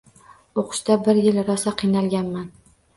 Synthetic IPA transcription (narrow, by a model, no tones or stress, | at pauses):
oqʰɨ̥ʃt̪abɪɾjɪlɾɒsaqʰɨjnalɡʲanman